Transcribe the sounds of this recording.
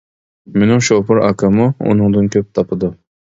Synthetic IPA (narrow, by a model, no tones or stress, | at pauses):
menɪŋʃopʰɨɾɑ̰kʰɨmuṵnɨŋd̪ɨnkʲʰøp̚t̪ʰɑpʰɨd̪u